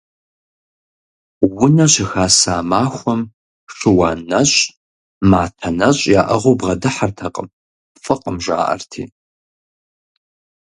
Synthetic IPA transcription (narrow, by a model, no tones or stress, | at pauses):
wʊnɐɕɪxaːsaːmaːxʷɔm | ʂɨwaːnɐɕʼ | maːtʰɐnɐɕʼjaːʔɐʁobʁɐdɨħartʰɐqʼə̰m | fʼɨqʼəmʒʷa̰ːʔɐ̰rtʰḭː